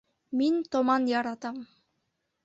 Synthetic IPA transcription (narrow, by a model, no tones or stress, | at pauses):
mint̪omɑnjɑɾɑt̪ɑm